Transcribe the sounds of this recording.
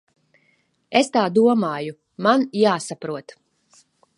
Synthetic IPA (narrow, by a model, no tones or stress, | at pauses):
est̪aːd̪uɔmaːju | manjaːsapɾuɔt̪